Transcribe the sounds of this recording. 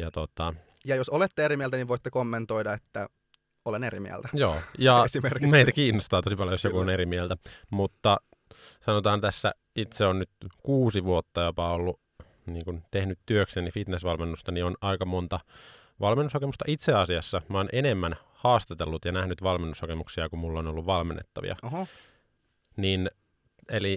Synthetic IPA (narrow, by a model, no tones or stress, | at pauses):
jɑt̪ot̪ɑ | jɑjosolet̪ːeeɾimiælt̪æniʋoit̪ːekomːent̪oidɑet̪ːæ | oleneɾḭmḭæ̰lt̪æjoːjɑsimermeit̪ækiːnːost̪ɑːt̪o̞sipɑljojosjokuoneɾimielt̪æmut̪ːɑ | sɑnot̪ɑːnt̪æsːæ̰ | it̪seonnyt̪kuːsiʋuot̪ːɑjopɑolːu | niːŋkunt̪ehnyt̪tyøksenifit̪nesʋɑlmenːust̪ɑnionɑikɑmont̪ɑ | ʋɑlmenːushɑkemust̪ɑʔit̪seɑsiɑsːɑmɑoːnʔenemːæn | hɑːst̪ɑt̪elːut̪jɑnæhnyt̪ʋɑlmenːushɑkemuksiɑkummulːonolːuʋʋɑlmenːḛt̪ːɑʋḭɑ̰ | nin | eli